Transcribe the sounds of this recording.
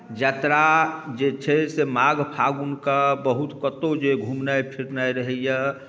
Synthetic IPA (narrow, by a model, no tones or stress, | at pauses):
d͡ʒat̪ɾad͡ʒet͡ʃʰɛsemaɡpʰaɡunkabəɦut̪kət̪od͡ʒeɡʱumnajpʰiɾnajɾəɦɛja